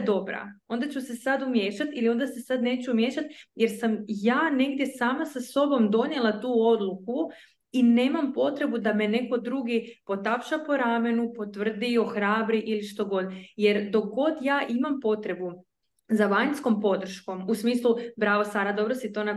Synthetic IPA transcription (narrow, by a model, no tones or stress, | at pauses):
d̪o̞bɾa̰o̞nd̪at͡ɕuse̞sad̪umje̞ːʃat̪ilio̞nd̪asesad̪ne̞ːt͡ɕumje̞ʃat̪je̞ɾsamjaːne̞ɡd̪je̞saːmasaso̞bo̞md̪o̞nje̞lˠat̪uːo̞d̪lˠuku | ine̞ːmampo̞t̪ɾe̞bud̪ame̞ne̞ko̞d̪ɾuːɡipo̞t̪apʃapo̞ɾame̞nupo̞t̪ʋr̩d̪ioxɾaːbɾiʔiliʃt̪o̞ɡo̞d̪je̞ɾd̪o̞ɡo̞d̪jaːʔimampo̞t̪ɾe̞bu | zaʋaɲnsko̞mpo̞d̪r̩ʃko̞musmiːslˠubɾaːʋosaːɾad̪o̞bɾo̞sit̪o̞na